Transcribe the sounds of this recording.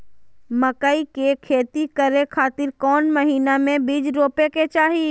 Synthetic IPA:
məkaikekʰeːt̪ikəɾekʰaːt̪ɪɾkɔːnməɦiːnamẽbiːd͡ʒɾoːpeket͡ʃaːɦi

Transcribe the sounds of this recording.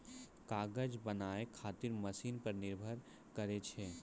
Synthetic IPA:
kaːɡəd͡ʒbɐnaːekʰaːt̪ɪɾmɐsiːnpɐɾnɪɾbʱəɾ | kɐɾet͡ʃʰeː

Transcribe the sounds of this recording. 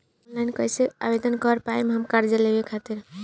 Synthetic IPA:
onlajnkəjseabed̪ʱənkəɾpaemeɦəmkaɾd͡ʒəlebekʰat̪iɾ

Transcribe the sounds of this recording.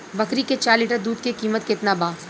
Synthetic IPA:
bɐkɾiket͡ʃaːɾliːʈəɾd̪uːd̪kekiːmət̪kɪt̪nabaː

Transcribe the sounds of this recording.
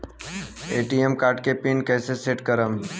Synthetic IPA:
eːʈiemkaːɾʈkepinkɛːseseʈkəɾəm

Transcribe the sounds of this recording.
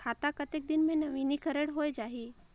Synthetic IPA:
kʰaːt̪akət̪ek̚d̪ɪnmẽnɐʋinikəɾəɽɦoːjd͡ʒaːɦiː

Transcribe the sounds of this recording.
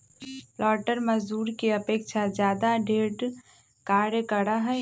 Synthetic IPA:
lɔːʈəɾməd͡ʒd̪uːɾkeəpeːkt͡ʃʰad͡ʒjaːd̪aɖeːɖ | kaːɽjəkəɽaɦɛ

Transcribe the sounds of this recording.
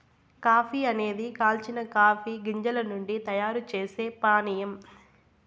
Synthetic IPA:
kaːpʰiɐne̞ːd̪ikaːlt͡ʃinɐkaːpʰiɡiɲd͡ʒɐlɐnuɳɖit̪ɐjaːɾut͡ʃeːse̞ːpaːnijɐm

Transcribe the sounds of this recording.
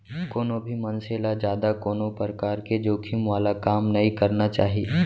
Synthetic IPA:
koːnobʱimɐnseːlad͡ʒjaːd̪akoːnopɾəkaːɾked͡ʒoːkʰimʋaːlakaːmnɐĩkɐɾnat͡ʃa̰ːɦie

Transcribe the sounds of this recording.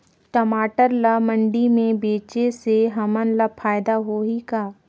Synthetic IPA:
ʈɐmaːʈəɾlamə̃ɳɖimẽbeːt͡ʃeseɦɐmənlɐpʰaːjd̪aɦoːikaː

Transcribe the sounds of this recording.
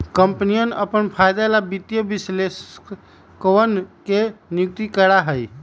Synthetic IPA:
kəmpnijənəpənpʰajd̪alabit̪jəbisles | kəwənkenjuk̚t̪ikəɾaɦəj

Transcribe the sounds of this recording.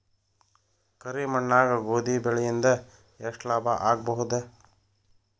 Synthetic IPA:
kɐɾimɐɳːaːɡɐɡoːd̪ibɛɭɛjind̪ɐ | eʂʈlaːbɐʔaːɡ̚bɐɦud̪e

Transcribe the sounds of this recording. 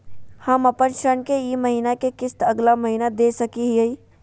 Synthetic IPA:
hɐmɐpənʃənkeimɐɦiːnakekɪst̪ɐɡlamɐɦiːnad̪eːsɐkiɦii

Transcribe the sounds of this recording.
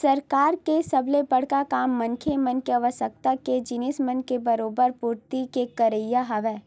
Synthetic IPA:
sɐɾkaːɾkesɐblebɐɽ̤kakaːmːɐnkʰemɐnkeɐʋəsək̚t̪aked͡ʒɪnɪsmɐnkebɐɾoːbəɾpuːɾt̪ikekɐɾəjaɦɐʋɛː

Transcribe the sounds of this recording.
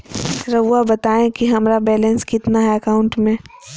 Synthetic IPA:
ɾɐʋabɐt̪aːẽkiɦɐmɾabɛːlɛ̃nskɪt̪naɦɛɐkaːʊ̃ɳʈmẽː

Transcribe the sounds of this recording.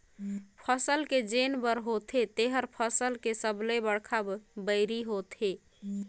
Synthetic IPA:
pʰəsəlked͡ʒenbəɾɦot̪ʰet̪eɦəɾpʰəsəlkesəblebəɽkʰabəɪɾiɦot̪e

